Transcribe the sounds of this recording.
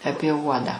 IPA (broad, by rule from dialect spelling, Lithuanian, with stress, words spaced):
ˈɑːpʲiɛ ˈuɔdɑː